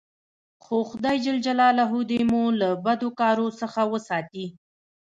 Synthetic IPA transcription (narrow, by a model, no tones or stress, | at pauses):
xoxʊd̪ɑjd͡ʒɪld͡ʒalɑlaɦud̪emulabad̪okɑɾosəxawəsɑt̪i